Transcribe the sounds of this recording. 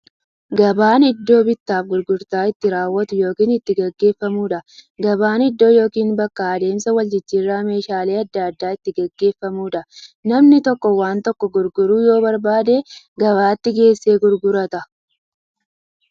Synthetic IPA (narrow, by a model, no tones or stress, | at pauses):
ɡɐbaːnɪd̪ːo̞ːbɪt̪ːaːfɡʊɾɡʊɾt̪aːɪt̪ːɪɾaːwːɐt̪ʊjo̞ːkiːnɪt̪ːɪɡɐɡːe̞ːfːɐmuːᶑɐɡɐbaːnɪd̪ːo̞ːjo̞ːkiːnbɐkːaɐd̪e̞ːmsɐwɐld͡ʒɪt͡ʃːiːrːaːme̞ːʃaːle̞ːɐd̪ːɐɐd̪ːaːɪt̪ːɪɡɐɡːe̞ːfːɐmuːᶑɐnɐmnɪt̪ɔkːɔwaːnt̪ɔkːɔɡʊɾɡʊɾuːjo̞ːbɐɾbaːd̪e̞ː | ɡɐβaːt̪ːɪɡe̞ːsːe̞ːɡʊɾɡʊɾɐt̪ɐ